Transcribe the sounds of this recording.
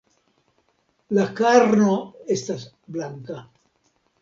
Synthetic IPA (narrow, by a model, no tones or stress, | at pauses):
lakaɾnoe̞stas | blaŋka